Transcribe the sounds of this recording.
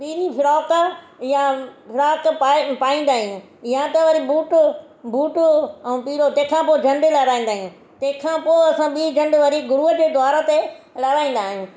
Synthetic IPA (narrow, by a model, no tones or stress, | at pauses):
piːɾifʰɪɾaːk | jafʰɪɾaːkːpaːĩːn̆d̪aːɦijũ | ɪjãt̪ɐʋɐɾibuːʈ | bʱuːʈʊɛ̃ːpiːɾot̪ɐ̃ːɪ̃kʰãːpoːɪd͡ʑʱɐ̃ɳɖ̪ɪlɐɾaːĩn̆d̪aːɦijũ | t̪ɐ̃ɦɪ̃kʰãːpoːɐsãɓiːd͡ʑʱɐ̃nɖʋɐɾiɡʊɾuəd͡ʑeːd̪ʱwaːɾət̪e | lɐɾaːĩn̆d̪aːɦijũː